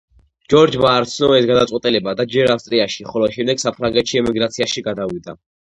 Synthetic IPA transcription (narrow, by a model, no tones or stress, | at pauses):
d͡ʒɔɾd͡ʒbaːɾt̪sʰnɔɛsɡad̪at̪sʼwɛt̪ʼilɛbad̪ad͡ʒɛɾafst̪ʼɾiaʃiχɔlɔʃɛmd̪ɛɡ̥sapʰɾaŋɡɛt̪ʃiɛmiɡɾat̪sʰiaʃiɡad̪avid̪a